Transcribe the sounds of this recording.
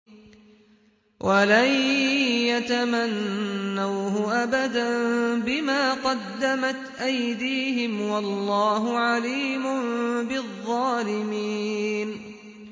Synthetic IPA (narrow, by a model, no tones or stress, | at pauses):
wʔalajjat̪amanːawɦʊʔabad̪anbɪmaːqɑd̪ːamat̪ʔajd̪iːhɪmwɑlːɑːɦʊʕaliːmʊmbɪðˤːɑːlɪmiːn